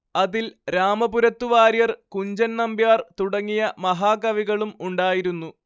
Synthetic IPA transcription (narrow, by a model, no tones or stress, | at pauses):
ɐðilɾaːmɐbuɾɐt̪ːuʋaːɾjɐrkuɲd͡ʑɐnnɐmbjaːrt̪uɽɐŋːijɐmɐɦaːkɐʋiɣɐɭumuɳɖaːjiɾunːu